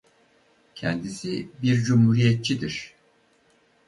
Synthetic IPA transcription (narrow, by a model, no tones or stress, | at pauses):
cʰɛ̰nd̪isibiɾd͡ʒumhuːɾijɛt̪̚t͡ʃʰid̪iɾ̥